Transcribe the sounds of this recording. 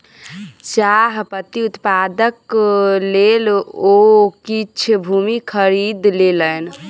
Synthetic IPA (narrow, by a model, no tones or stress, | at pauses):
t͡ʃaɦpət̪iut̪pad̪əklelokit͡ʃʰbʱumikʰəɾid̪lelən